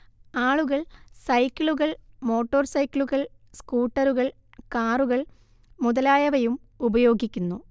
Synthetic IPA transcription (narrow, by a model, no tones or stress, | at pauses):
aːɭuɣɐɭsɐjkʲːiɭuɣɐɭmo̞ːʈːo̞ːrsɐjkːiɭuɣɐɭ | skuːʈːɐɾuɣɐɭ | kaːruɣɐɭ | muðɐlaːjɐʋɐjum | ubɐjo̞ːɡikʲːunːu